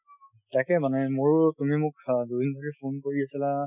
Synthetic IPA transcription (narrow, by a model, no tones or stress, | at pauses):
takɛmanɛmoɹtumimʊkdubind̪ʱɔɹipʰonkoɹiasila